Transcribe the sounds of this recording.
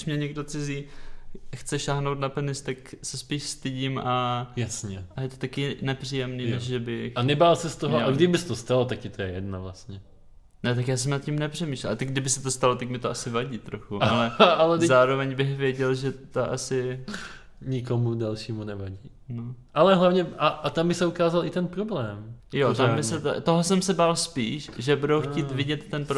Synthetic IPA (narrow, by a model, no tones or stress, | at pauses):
ʃmɲɛɲɛɡdo̞t͡sɪziː | xt͡sɛʃaːɦnowt̪napɛnɪst̪aksɛspiːʃst̪ɪɟimʔajasɲɛʔajɛt̪o̞t̪akɪnɛpr̝̥iːjɛmniːnɛʃʒɛbɪxanɛbaːlsɛst̪oɦoaɡdɪbɪsɛt̪ost̪alot̪ak̚ɪt̪ojɛjɛdnavlast̪ɲɛ | nɛt̪akjaːs̬ɛmnat̪̚cɪmnɛpr̥ɛmiːʃlɛlat̪aɡdɪbɪsɛt̪ost̪alot̪akmɪt̪oasɪvaɟiːt̪ɾoxuʔalɛalɛzaːɾo̞vɛɲbɪxvjɛɟɛlʒɛt̪oʔasɪ | ɲɪkomudalʃiːmunɛvaɟiːnoʔalɛɦlavɲɛʔaʔat̪ambɪsɛukaːzalʔɪt̪ɛnpɾoblɛːmjot̪ambɪsɛt̪t̪oɦosɛmsɛbaːlspiːʃʒɛbudowxciːvɪɟɛt̪ːɛnpɾ